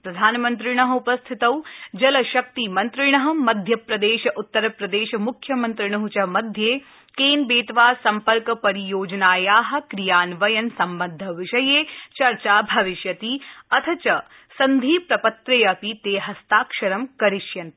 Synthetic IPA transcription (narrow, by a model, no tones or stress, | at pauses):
pɾɐd̪ʱaːnmɐnt̪ɾɪɳ̃ɐɦɐupɐst̪ʰit̪ɐwd͡ʒɐlɐʃɐk̚t̪imɐnt̪ɾɪɳɐɦɐ̆mɐd̪ʱjɐpɾɐd̪eːʃɐʔut̪ːɐɾɐpɾɐd̪eːʃɐmukʰːjɐmɐnt̪ɾɪɳ̃ɐɦut͡ʃɐmɐd̪ʱjeː | keːnbeːt̪ʋaːsɐmpɐɾkɐpɐɾijoːd͡ʒnaːjaːɦɐ̆kɾijaːnʋɐjɐnsɐmbɐd̪ʱːɐʋɪʃɐjeːt͡ʃɐɾt͡ʃaːbʱɐʋiʃjɐt̪iɐt̪ʰɐt͡ʃɐ | sɐnd̪ʱiːpɾɐpɐt̪ɾeːɐpit̪eːɦɐst̪aːkʃɐɾɐmkɐɾiʃjɐn